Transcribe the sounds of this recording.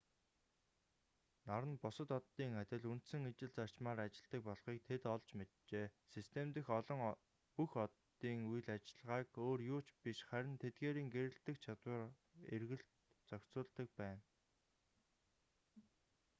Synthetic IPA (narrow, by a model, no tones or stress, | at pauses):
naɾə̆npʊsə̆t̪ɔt̪ːiːŋæt̪ʲɪ̆ɮun̥t̪sɘ̆ŋit͡ɕɪ̆ɮt͡sar̥t͡ɕmaːɾat͡ɕɪ̆ɮ̥t̪ə̆k̚pɔɮχiːk̚t̪ʰet̪ɔɮt͡ɕmet̪t͡ɕeːsist̪ʰemt̪ɘ̆xɮɞ̆ŋ | puxɔt̪ː | iːŋuj̆ɮat͡ɕɪ̆ɮʁaːkoːrjʊːt͡ɕpiʃχæɾʲɪ̆nt̪ʰet̪̚ɡeːɾiːŋɡeɾɘ̆ɬt̪ɘ̆kt͡ɕʰat̪wə̆r | ḛrɣɘ̆ɬt̪ | t͡sœkʲt͡sʊːɮt̪ə̆k̚pæːn